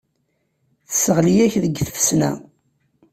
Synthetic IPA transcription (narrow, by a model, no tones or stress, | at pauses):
θəsəʁlijæçðəɡːθəfəsnæ̰